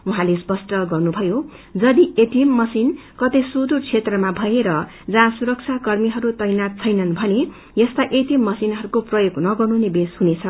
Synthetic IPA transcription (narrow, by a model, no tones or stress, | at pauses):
uɦãlespʌsʈʌɡʌrnubʱʌjo | d͡zʌd̪iet̪imːʌsinkʌt̪esud̪urt͡sʰet̪rʌmabʱʌeɾʌ | d͡zãsuɾʌk̚t͡sʰakʌrmiɦʌɾut̪ʌjnat̪̚t͡sʰʌjnʌnbʱʌne | jʌst̪aʔet̪imːʌsinɦʌɾukoprʌjoɡnʌɡʌrnunebeshunet͡sʰʌ